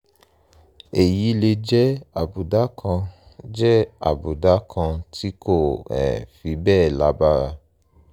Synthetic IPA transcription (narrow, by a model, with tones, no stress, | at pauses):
e˨ji˨˦le˧d͡ʒɛ˦a˨bu˨da˨˦kʰã˧ | d͡ʒɛ˦a̰˦˨bu˨da˨˦kʰã˧tʰi˦ko˦˨ɛ̰˨fi˨˦bɛː˦˨la˨˦ba˦ɾa˧